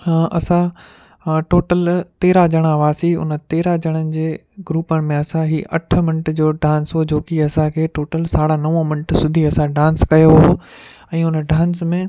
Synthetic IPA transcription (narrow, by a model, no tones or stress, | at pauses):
ʔɐsã | ʈoːʈəlt̪eːɾad͡ʑɐɽ̃aʋaːsiʊ̰nə̆t̪eːɾad͡ʑɐɽ̃ənɪ̆d͡ʑeː | ɡɾuːpəɽ̃ɪ̆mẽɐsãɦiʔɐʈ̆ʰmɪnəʈd͡ʑoːɖãːnsɦod͡ʑoːkiɐsãkʰeːʈoːʈəlsaːɽanɐʋõmɪnəʈsʊd̪ʱiɐsãɖãːnskɐjoɦo | ɛ̃ːʊnɖãːnsmẽː